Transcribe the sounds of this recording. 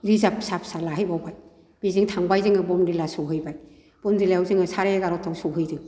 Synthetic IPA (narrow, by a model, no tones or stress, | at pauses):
ɾizapsap̚salaɦɯjbawbaj | b̥izɯŋtʰaŋbajzɯŋɯbɔmdilasɔɦɯjbaj | b̥ɔmdilajawzɯŋɯsaɾeɡaɾɔtʰɔwsɔɦɯjdɯŋ